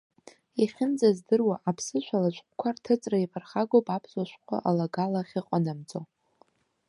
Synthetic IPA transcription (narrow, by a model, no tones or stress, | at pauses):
iχʲɪnd͡zazdɨrwaʔapʰsɨʃʷalat͡ʃʷʼkʷʼkʷʰartʰɨt͡sʼraipʰarχaɡopʼapʰzaʃʷkʷʰa̰ʔalaɡalaχʲiqʼanamt͡sʼo